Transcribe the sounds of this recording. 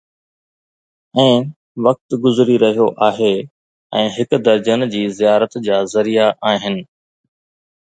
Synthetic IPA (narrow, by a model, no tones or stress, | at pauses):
ɛ̃ː | ʋɐk̚t̪ɡʊzɾiɾɐɦijoʔaːɦe | ɛ̃ːɦɪkd̪ɐɾd͡ʑənd͡ʑiːzijaːɾət̪d͡ʑaːzɐɾijaʔaːɦɪnɪ̆